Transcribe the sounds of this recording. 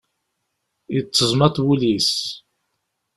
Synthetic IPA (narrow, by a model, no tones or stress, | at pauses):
jət͡sːəzˤmɑt̪ˤwulis